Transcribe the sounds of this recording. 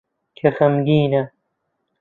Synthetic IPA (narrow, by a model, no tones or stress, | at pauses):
kʰexɐmɡiːnɐ